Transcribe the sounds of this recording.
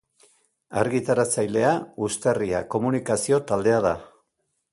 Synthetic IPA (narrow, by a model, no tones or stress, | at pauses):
aɾɣit̪aɾat͡sajle̞aust̪eria̰ko̞munikasio̞t̪ald̪e̞aða